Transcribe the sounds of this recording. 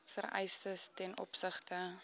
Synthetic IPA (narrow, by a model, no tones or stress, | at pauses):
fəɾɛ̰jstəstɛnʔɔ̰psəχtə